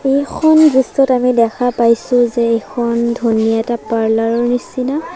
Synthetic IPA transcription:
ejkʰɔnbistɔtamidɛkʰapajsʊ̃zɛekʰɔndʱunijaɛtapaɹlaɹɔɹnisina

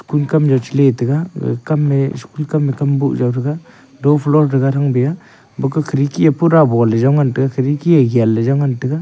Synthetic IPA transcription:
skulkamd͡ʒawt͡ʃʰiletɯɡa̰kamːeskulkamekambuʔ̚zawɾɯɡa | dɔpʰlɔɾdɯɡaɾaŋbija | bɔkɯkʰɯɾikʰiapʰuɾabɔlezawŋantɯɡakʰɯɾikiaɡialːezawŋantɯɡa

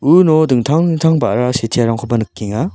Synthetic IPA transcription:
ɯnodɯŋtʰaŋtʰaŋbaʔɾasetʰiaɾaŋkʰobanɯkːiŋa

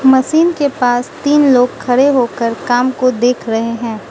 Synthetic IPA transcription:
mɐsiːnkepaːst̪iːnloːɡ̚kʰːɐɽeɦoːkəɾkaːmkod̪eːkʰɾɐɦeɦɛ̃ː

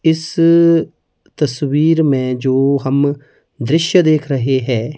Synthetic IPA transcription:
ɪs | t̪əswiːɾmẽːd͡ʒoːɦəm | d̪ɾɪʃjəd̪eːkʰɾəɦeɦɛː

